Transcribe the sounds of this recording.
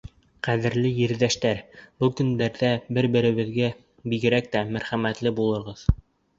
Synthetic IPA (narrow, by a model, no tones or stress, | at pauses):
qæðɘ̆ɾlɘjɘ̆ɾðæʃt̪æɾbɤlˠkɵ̆nd̪æɾðæbɘɾbɘ̆ɾɘ̆βɘ̆ðɡæ | biɡɘ̆ɾæk̚t̪æmæɾχæmæt̪lɘbulˠɤ̆ɾʁɤð